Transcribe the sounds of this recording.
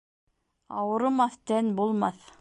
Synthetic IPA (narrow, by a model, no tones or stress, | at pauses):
ɑwɤ̆ɾɤ̆mɑθt̪ænbulˠmɑθ